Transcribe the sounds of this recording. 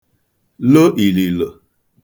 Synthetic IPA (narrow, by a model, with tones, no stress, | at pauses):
lo˦ʔi˨li˨lo˨